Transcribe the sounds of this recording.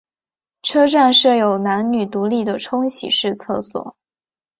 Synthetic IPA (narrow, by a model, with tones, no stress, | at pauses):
ʈ͡ʂʰɤ˥ʈ͡ʂa˥˧nʂɤ˥˩jo˨˩ʊna˧˥nny˨˩t̪u˧˥li˥˩d̪ə˩ʈ͡ʂʰʊ˥ŋɕḭ˨˩ʂɻ̩˥˧t͡sʰɤ˥˩swɔ̰˨˩˦